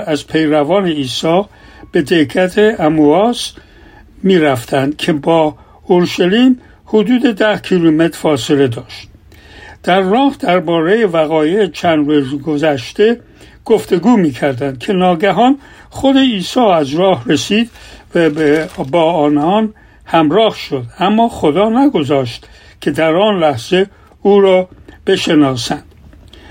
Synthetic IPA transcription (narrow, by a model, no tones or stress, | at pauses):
æzpʰe̞jɾævɒːne̞iːsɒː | b̥e̞d̪ekæt̪ʰe̞æmuɒːs | miːɾæft̪ʰænd̪̥̚kʰe̞bɒː | oɾʃæliːm | hod̪uːd̪e̞d̪æhkʰiːlume̞t̪ʰɾ̥fɒːsele̞d̪ɒːʃt̪̚ | d̪̥æɾːɒːhd̪æɾbɒːɾe̞je̞væɣɒːjeːt͡ʃʰænd̪ɾuzɡozæʃt̪e̞ | ɡ̥o̞ft̪e̞ɡuːmiːkʰæɾd̪ænd̪̥̚kʰe̞nɒːɡæɦɒːn | χod̪e̞iːsɒːæzɾɒːhresiːd̪væbbɒːɒːnɒːn | hæmɾɒːhʃo̞d̪æmːɒːχo̞d̪ɒːnæɡo̞zɒːʃt̪kʲʰe̞d̪æɾɒːnlæhz̥e̞ | uːɾɒːb̥e̞ʃe̞nɒːsænd̪̥